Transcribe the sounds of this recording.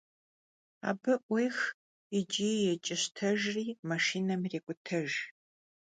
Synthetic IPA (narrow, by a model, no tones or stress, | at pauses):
a̰ːbɨʔʷejx | id͡ʒiːjɛt͡ʃʼɪɕtʰɐʒriːmaʂiːnɐmreːkʷʼʊtʰɐʒ